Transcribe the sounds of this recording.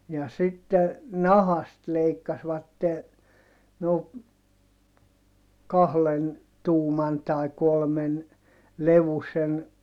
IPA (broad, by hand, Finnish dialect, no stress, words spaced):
jɑ sitːe nɑhɑst leikːɑsʋɑtːe noː kɑhlen tuːmɑn tɑi̯ kolmen leʋusen